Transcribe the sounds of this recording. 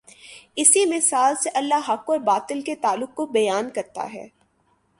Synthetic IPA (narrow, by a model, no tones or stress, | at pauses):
ɪsimɪsaːlseʔɐlːaɦɐkɔɾbaːt̪ɪlket̪aːlːʊk̚ːobɐjaːnkɐɾt̪a̰ɦɛ̰ː